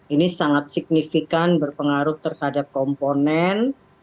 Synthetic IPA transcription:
ʔinisaŋat̪̚sik̚nifikanbərpəŋaɾʊht̪ərhadap̚kɔmponɛn

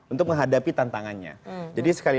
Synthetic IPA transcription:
unt̪ʊk̚məŋɦadapit̪ant̪aŋanɲa̰d͡ʒadisə̥kali

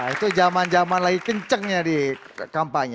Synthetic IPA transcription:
it̪ud͡ʒamand͡ʒamanlaɡikəɲt͡ʃəŋɲadi | kampaɲ

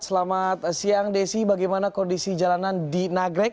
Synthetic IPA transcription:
səlamat̪siaŋdesibaɡajmanakɔndisid͡ʒalanandinaɡɾɛk̚

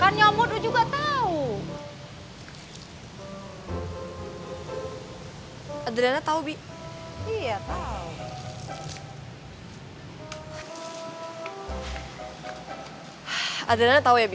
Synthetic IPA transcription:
kanɲamʊdud͡ʒuɡat̪au | adədanat̪aubi | ijat̪au | adədanat̪aujab

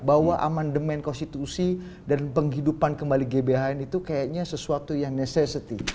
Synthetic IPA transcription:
bawaʔa̰mandəmɛnkɔnst̪it̪usi | danpəŋɦidupankəmbaliɡebeaɛnit̪ukajaʔɲasəsuat̪ujaŋnesɛsit̪i

